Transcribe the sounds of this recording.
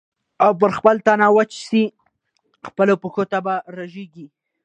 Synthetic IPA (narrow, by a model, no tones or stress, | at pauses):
awp̬əɾxpəlt̪anɑwat͡ʃsi | xpəlopəxot̪abaɾaʒeɡi